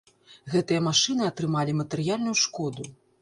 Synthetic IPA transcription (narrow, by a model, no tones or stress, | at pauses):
ɣɛt̪ɨjɐmaʂɨnɨɐt̪ɾɨmalʲimɐt̪ɛɾɨjalʲnujuʂkɔd̪u